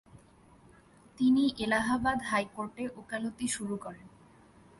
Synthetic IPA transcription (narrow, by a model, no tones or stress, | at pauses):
t̪iniʔelaɦabad̪ɦajkoɾʈeʔokalot̪iʃuɾukɔɾen